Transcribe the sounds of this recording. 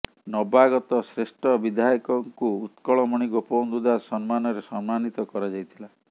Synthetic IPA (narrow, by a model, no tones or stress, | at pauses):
nɔbaɡɔt̪ɔsɾesʈʰɔbid̪ʱajɔkɔŋkuut̪kɔɭɔmɔɽ̃iɡopɔwnd̪ud̪ʱasɔnmanɔɾesɔnmanit̪ɔkɔɾad͡ʒajt̪ʰila